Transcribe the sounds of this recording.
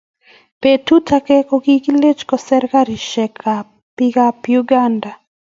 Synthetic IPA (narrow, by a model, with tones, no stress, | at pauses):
pe˨tu˦tʰa˨kɛ˦kɔ˨ɡi˦ki˦le˦t͡ʃkɔ˨sɛ˦ɾka˦ɾi˨ʃɛ˨kʰa˨ | pi˦ka˦pju˦ɡa˦nda˨